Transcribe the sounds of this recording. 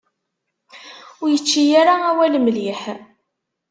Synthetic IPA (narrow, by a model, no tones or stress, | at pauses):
ʊɾjət͡ʃːijaɾaæwælmliħ